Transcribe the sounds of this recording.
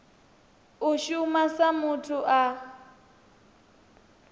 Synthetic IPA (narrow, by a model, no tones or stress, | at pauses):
ʊʃʊmasamʊtʰʊʔa